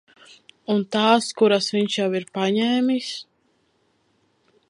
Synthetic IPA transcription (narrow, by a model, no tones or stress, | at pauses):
unt̪aːskuɾasviɲʃjawiɾpaɲɛːmʲis